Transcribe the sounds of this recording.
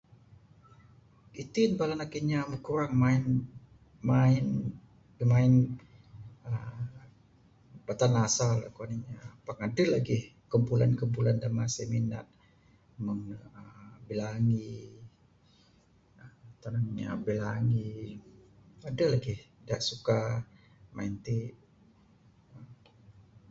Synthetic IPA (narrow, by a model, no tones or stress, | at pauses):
it̪inbalanakiɲaməkuɾaŋmaɪn | maɪn | əmaɪn | ə | b̥at̪anasaləkaniɲapaŋadəlaɡɪhkəmpulankəmpulandamasemina̰t̪̚ | məŋəbelaŋi | ət̪anaŋɲa̰belaŋi | adəlaɡɪhdaʔsuka | mʔa̰int̪i | ə